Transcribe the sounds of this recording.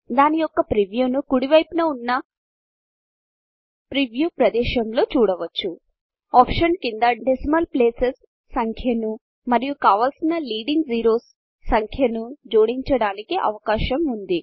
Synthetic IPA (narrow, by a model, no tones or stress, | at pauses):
d̪aːnijɔkːɐpɾiʋjuːnukuɽiʋɐjpinɐunːɐ | pɾiʋjuːpɾɐd̪ɛːʃɐmlo̞ːt͡ʃuːɽɐʋɐt͡ʃːu | aːpʂɐnkind̪ɐɖesmɐlpleːsesː | ɐŋkʰjɐnu | mɐɾijukaːʋaːlsinɐliːɖiŋɡd͡ʒiːɾo̞ːsː | ɐŋkʰjɐnud͡ʒoːɽiɲt͡ʃɐɽaːnikiʔɐ̰ʋɐkaːʃɐmund̪i